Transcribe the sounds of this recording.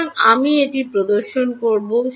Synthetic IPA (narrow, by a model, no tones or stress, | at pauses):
ŋamieʈipɾod̪oɾʃonkoɾboʃ